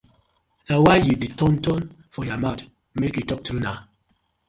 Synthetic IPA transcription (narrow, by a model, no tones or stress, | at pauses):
nawajuditʰɔ̃ntʰɔ̃n | fɔjɔmat | mekjutɔk̚tɾunaʊ